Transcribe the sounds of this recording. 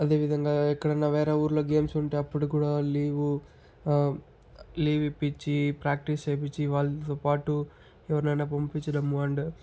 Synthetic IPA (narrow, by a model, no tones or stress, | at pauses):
ɐd̪e̞ːʋid̪ʱɐŋɡaːikːɐɽɐnːɐʋɛːɾeuːɾloːɡe̞ːmsuɳʈeːɐpːuɽukuːɽaːliːʋu | liːʋipːit͡ʃːipɾaːk̚ʈist͡ʃejp̬it͡ʃːiʋaːɭːɐt̪oːpaːʈu | ɛʋɐɾnɐjnaːpɐmpit͡ʃːɐɽɐmːuɐɳɖ